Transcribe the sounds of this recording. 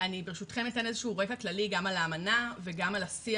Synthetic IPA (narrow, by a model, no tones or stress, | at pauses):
anibeʁeʃutχemitenezeʃuːʁekaklaliɡamalaːmanaveɡamalasi